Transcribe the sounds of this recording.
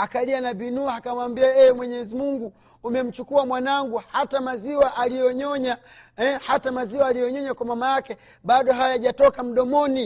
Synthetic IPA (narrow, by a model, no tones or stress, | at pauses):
akalianabinuakamwambiaɛɛmwɛɲɛzimuŋɡuː | mɛm̩t͡ʃukuamwanaŋɡuhatamaziwaʔalijɔɲɔɲa | ɛhatamaziwaːlijɔɲɔɲakwamamajakɛ | ɓaɗɔɦajajaʄatɔkam̩ɗɔmɔni